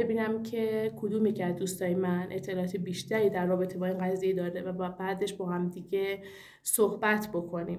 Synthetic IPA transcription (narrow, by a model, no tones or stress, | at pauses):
bebiːnæmcʰe̞kʰod̪uːmicʰæd̪̚d̪uːst̪ɒːjemæne̞t̪ʰːe̞lɒːɒːt̪ʰebiːʃt̪ʰæɾiːd̪æɾːɒːbe̞t̪ʰebɒːiːnɡæziːjed̪ɒːɾevæbɒbæːd̪e̞ʃbɒːhæmd̪iɟe | sohbæt̪ʰbo̞kʰo̞niːm